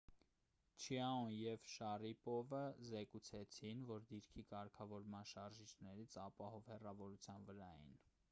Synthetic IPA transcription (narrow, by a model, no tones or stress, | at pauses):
t͡ʃʰiɑɔnjɛvʃɑripɔvəzɛkut͡sʰɛt͡sʰinvɔɾd̪iɾkʰikɑɾkʰɑvɔɾmɑnʃɑɾʒit͡ʃʰnɛɾit͡sʰɑpɑhɔvhɛrɑvɔɾut͡sʰjɑnvəɾɑjḭn